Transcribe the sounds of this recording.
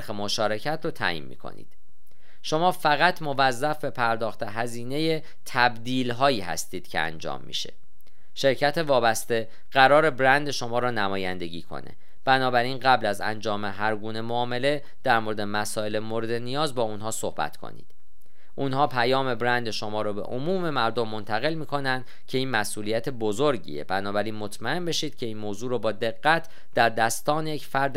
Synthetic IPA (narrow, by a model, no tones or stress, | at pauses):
xemoʃɒːɾe̞cʰæt̪ʰɾoːt̪ʰæ̰ːjḭːnmḭːkʰo̰nḭːd̪̥ | ʃo̞mɒːfæɣæt̪ʰmo̞væzːæfbe̞pʰæɾd̪ɒːxt̪ʰeɦæziːne̞je | t̪ʰæbd̪iːlɦɒːjiːhæ̰st̪iːd̪̥cʰḛæ̰nd͡ʒɒ̰ːmːḭʃḛ | ʃe̞ɾcʰæt̪ʰevɒːbæst̪e̞ | ɢ̥æɾɒːɾe̞bɾænd̪e̞ʃo̞mɒːɾɒːnæmɒːjænd̪e̞ɟiːkʰo̰nḛ | b̥ænɒːbæɾiːnɢæblæzæ̰nd͡ʒɒːme̞ɦæɾɡuːne̞moɒːme̞le̞ | d̪̥æɾmoɾed̪emæsɒːe̞lemoɾe̞d̪e̞nijɒːzbɒːunɦɒːso̞̰hbæ̰t̪kʰo̰nḭːd̪̥ | ʔunhɒːpʰæjɒːme̞bɾænd̪e̞ʃo̞mɒːɾɒːbe̞̰ʔomuːme̞mæɾd̪o̞mːo̞nt̪ʰæɣe̞lmiːkʰo̞nænd̪̥ | cʰe̞iːnmæsʔuːlijæt̪ʰebo̞zoɾɟḭːebænɒːbæɾiːnmo̞t̪ʰmæe̞nbe̞ʃiːd̪̥cʰe̞iːnmoːzuːɾɒːbɒːd̪e̞ɣːæt̪ʰ | d̪̥æɾd̪æst̪ɒːnejecfæɾd̪